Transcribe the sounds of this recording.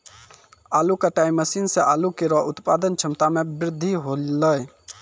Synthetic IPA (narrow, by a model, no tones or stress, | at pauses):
aːlukaʈaːɪmːəsiːnseʔaːlukiɾɔʊt̪paːd̪ənt͡ʃʰɪmt̪amẽbɾɪd̪ʱːiɦoləe